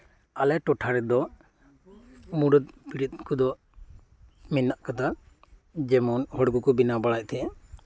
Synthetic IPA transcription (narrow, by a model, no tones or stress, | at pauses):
alɛʈɔʈʰaɾɛd̪ɔ | muɽɔt̪̚piɾit̪̚ˀkud̪ɔ | minːaʔkat̪a | d͡ʒɛmɔnhɔɽɡukɔbinabaɽac̚ˀt̪ʰɛɛ